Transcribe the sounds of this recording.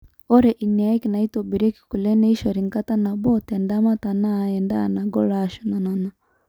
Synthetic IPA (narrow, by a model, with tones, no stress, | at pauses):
ɔ˦ɾɛ˨ʔi˨nɛ˨a˦i˦ki˨na˨i˦to˨bi˨ɾe˦ki̥˨ku˨lɛ˦nɛ˦i˦ʃɔ˨ɾi˨ŋka˦ta˦na˨bɔ˦tɛ˨nda˦ma˦ta˨na˦˨ɛ˨nda̰˦˨na˨ɡɔ˦la˦ʃu˨˦na˨na˨na˨